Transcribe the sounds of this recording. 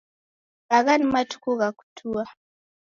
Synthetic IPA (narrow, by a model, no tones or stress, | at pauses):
ɣaɣanimatu̥kuɣaku̥tʰua